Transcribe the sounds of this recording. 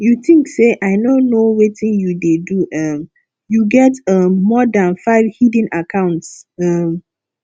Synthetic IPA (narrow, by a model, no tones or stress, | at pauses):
juθĩŋkseʔaɪnonːowetĩnjudeduʔʌm | juɡɛtʌmːɔdãnfaɪvhidĩnakʰãʊ̃ntsʌm